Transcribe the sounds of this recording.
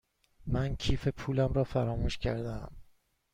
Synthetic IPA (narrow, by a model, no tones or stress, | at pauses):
mæncʰiːfe̞pʰuːlæmɾɒːfæɾɒːmuːʃcʰæɾd̪eæm